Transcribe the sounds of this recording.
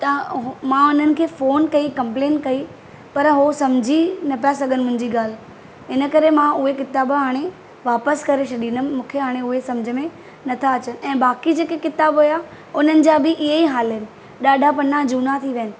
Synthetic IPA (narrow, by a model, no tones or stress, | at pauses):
t̪ɐɦmãʊn̤ənɪ̆kʰeːfoːnkɐikɐ̃mpleːnkɐi | pɐɾɦosɐmd͡ʑʱinɐpjasɐɡʱənɪmʊ̃ɦɪ̃ɲd͡ʑiɡaːl̤ | ɦɪnə̆kɐɾemãʊɦekɪt̪aːbɦaːɽ̃e | ʋaːpəskɐɾeʃɐɗĩnəmũːkʰeɦaːɽ̃eʊɦesɐ̃md͡ʑʱə̆mẽ | nɐt̪ʰaɐt͡ɕənɪ̆ɛ̃ːbaːkid͡ʑeːkekɪt̪aːbɦʊjaː | ʊn̤ənɪ̆d͡ʑaːbɪʔɪɦeiɦaːlɦɪnɪ̆ | ɗaːɖʱapɐnãd͡ʑuːnat̪ʰiʋɐɦənɪ̆